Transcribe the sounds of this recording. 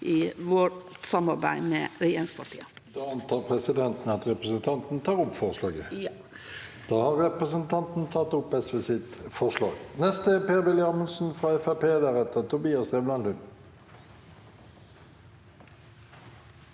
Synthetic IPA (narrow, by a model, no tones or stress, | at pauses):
ʔɪʋɔʈsɑmɑɾbæ̰ɪmɛ̰ɾɪeːɾɪŋspʰɑʈʰḭːəd̪̥ɑːɑnt̪ʰɑːʁpʰʁɛsɪd̪ɛnt̪n̩əɑt̪ʁɛpʁəsənt̪ʰɑnt̪n̩t̪ʰɑːʁɔpfɔʁslɑːɡə | d̪̥ɑːhɑʁɛpʁəsənt̪ʰɑnt̪n̩t̪ʰɑt̪ːʊpːɛsʋesɪt̪fɔʁʂlɑ̰ːɡnɛst̪əɛpeːʁʋɪlɪɑmənsn̩fʁɑɛfæpeːd̪æɾɛt̪ət̪ʰʊbiːɑsɛmlɑnʉn